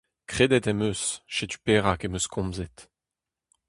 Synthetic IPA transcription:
kχed̪ɛt̪ɛmøsʃet̪y̥peːʁakemøskʰɔ̃mzɛt̪

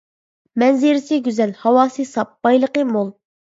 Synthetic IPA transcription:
mɛnzɪɾɪsɪɡʲyzɛlhɑwɑːsɨsɑp̚b̥ɑjlˠəqəmolˠ

